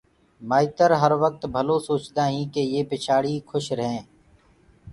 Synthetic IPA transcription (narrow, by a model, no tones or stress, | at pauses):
maːit̪əɾɦəɾʋək̚t̪bʱəloːsoːt͡ʃd̪aːɦĩːkeːjeːpɪt͡ʃʰaːɽiːkʰʊʃɾəɦɛ̃ː